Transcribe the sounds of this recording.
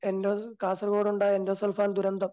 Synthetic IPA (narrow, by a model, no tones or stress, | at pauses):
enɖoːkaːsɐɾɡoːɽuɳɖaːendoːsɐlfaːnd̪uɾɐnd̪ɐm